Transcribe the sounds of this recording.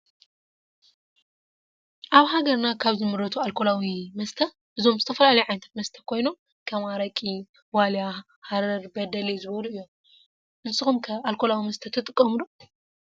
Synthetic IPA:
ʔaβɦaɡɐɾnakʰaβzɨmɨɾɐt̪ʰualkʰo̞lawimɐst̪ʰɐ | bɨzo̞mzɨt̪ʰɐfɐlalɐjuʕajnt̪ʰɐt̪mɐst̪ʰɐkʰo̞jno̞m | kʰɐmaɾɐkʼi | walja | haɾɐɾbɐd̪ɐlezɨβɐluʔɨjːo̞m | ʔɨnsɨxumkʰɐalkʰolawimɐst̪ʰɐt̪ʰɨt̪ʼɨkʼːɐmɨlu

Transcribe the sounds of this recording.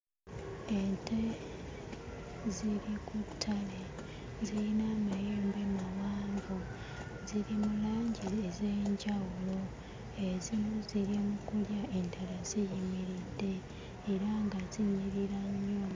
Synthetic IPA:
e̞ntʰe̞ | ziɾikutʰːale | ziɾinamajeːmbe̞maβaːɱɡo | ziɾimulaːɲɟiezeːɲɟawulo̞ | e̞zimuziɾimukuljae̞ndalazijiɲiɾidːe̞ː | ɾaŋɡaziɲiɾiɾaɲːo

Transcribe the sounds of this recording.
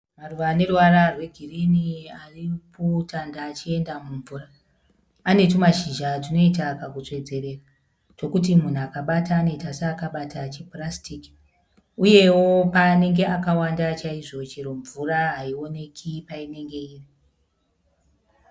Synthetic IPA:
maruʋane̞ruwaɾarwe̞ɡʱiriniaripʰotʰandaːt͡ʃie̞ndamuɱvuːraː | ne̞tomaʃiʒad͡zino̞itakakut͡ʂwe̞d͡ze̞ɾe̞ːra | t͡ʃo̞kut̬imun̤uakaɓataːno̞itaseːkaɓatat͡ʃeprastiki̥ | uje̞wo̞paːne̞ŋɡe̞ʔakawandat͡ʃaiʐo̞t͡ʃeɾoɱvuraɦaio̞ne̞kʰipaine̞ŋɡe̞iːri

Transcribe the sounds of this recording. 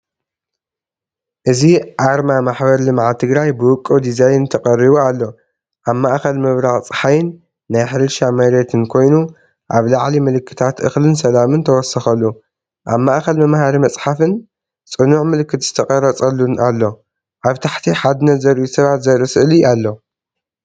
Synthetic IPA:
ʔɨziʔaɾmamaħbɐɾlɨmʕat̪ʰɨɡɾajbɨwʊkʼːɨd̪izajnt̪ʰɐqʼɐrːiβualːo̞ | ʔaβmaʔxɐlmɨβɾaɣʼt͡sʼɨ̥ħajɪnː | ajħɨɾɨʃamɐɾet̪ʰɨnkʰo̞jnu | ʔaβlaʕlimɨlɨkʰːɨ̥t̪ʰat̪ʔɨxlɨnsɐlamɨnt̪ʰɐwɔsɐxɐlːu | ʔaβmaʔxɐlmɨmhaɾimɐt͡sʼħafɨn | t͡sʼɨnuʕmɨlɨkːɨt̪z̥ɨ̥t̪ʰɐkʼɐɾɐt͡sʼɐlːunʔalːo̞ | ʔaβt̪ʰaħt̪ʰiħad̪ɨnɐt̪zɐɾʔʔusɐβat̪zɐɾʔɨsɨʔlialːo̞

